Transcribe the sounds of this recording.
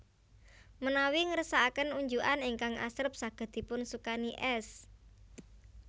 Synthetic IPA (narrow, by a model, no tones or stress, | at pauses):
mənawiŋəɾəsaːkənuɲd͡ʒuʔaniŋkaŋa̰sɾəp̚saɡ̥ə̤d̪̥i̤pʊnsukaniʔɛs